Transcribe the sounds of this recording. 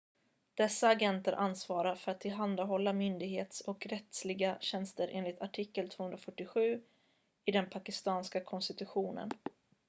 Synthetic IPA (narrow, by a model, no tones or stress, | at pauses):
d̪̥ɛsːaːɡɛnt̪əɾʔansvɑːɾaɾfœɾat̪ʰːɪlɦand̪aɦɔlːamʏnd̪ɪɡɦeːt̪sɔkɾɛt̪slɪɡaɕɛnst̪əɾʔḛːnlɪt̪ʰaʈʰɪkːəlt̪ʰv̥oːhɵnɾafœʈːɪɧʉ̟ː | ɪd̪ɛnpʰakɪst̪ɑːnskakʰɔnst̪ɪt̪ɵɧuːnə̰n